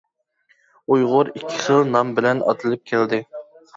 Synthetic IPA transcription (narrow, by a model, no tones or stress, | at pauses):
ujʁʊɾikʲʰːɪ̥χəlˠnɑmbɪlɛnɑ̰t̪ʰɨlˠɨp̚kʲʰɛld̪ɪ